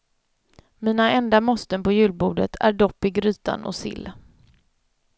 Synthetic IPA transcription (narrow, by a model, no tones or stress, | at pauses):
miːnaɛnd̪amɔst̪ənpɔjʉ̟ːlbuːɖət̪ʰæ̰ɖɔpːɪɡɾyːt̪a̰nɔ̰sɪ̰lː